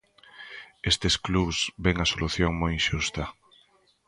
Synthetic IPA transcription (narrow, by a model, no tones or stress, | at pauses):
est̪eskluβzbeŋɐsoluθjoŋmojʃust̪ɐ